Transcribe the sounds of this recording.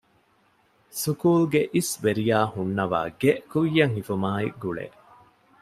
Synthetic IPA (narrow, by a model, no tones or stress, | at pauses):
sukuːlɡeʔisʋeɾijaːhunːɐʋa̰ːɡeʔkujːɐŋhifumaːḭɡuɭḛː